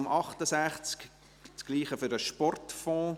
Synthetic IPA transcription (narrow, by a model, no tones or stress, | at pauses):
mʔɑχtəsæχt͡sk | t͡skliːχəfʏɾəʃpɔrtfɔ̃ː